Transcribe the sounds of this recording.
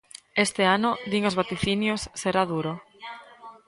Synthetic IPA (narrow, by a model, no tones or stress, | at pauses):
est̪eanʊd̪iŋozβat̪iθinjosːeɾaðuɾo